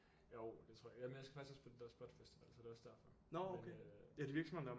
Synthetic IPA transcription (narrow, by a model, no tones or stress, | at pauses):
jo̰d̥e̝̥t͡sʰʁo̝ɐ̰jæmenjaɪsɡ̥æfɑ̈ɡ̥sɡ̥ɒspʰɒd̥e̝d̥æɐ̰sb̥ɒd̥fesd̥iʋæ̰l̰sɒ̽d̥e̝ɒ̽sd̥æɐ̰fɒ̽ | nɒokʰeædeiʋiɐɡ̥sɒmhend̥æɐ